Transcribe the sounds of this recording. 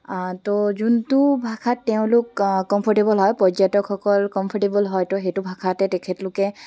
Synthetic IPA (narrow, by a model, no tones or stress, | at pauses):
tozuntubʱakʰatːɛʊ̃lʊkkːɔmpʰɔɹʈebɔlɦɔjpɔzatɔkʰːɔkɔlkɔmpʰɔʈebɔlɦɔjtɔɦɛtubʱakʰatɛtɛkʰɛtlʊkɛ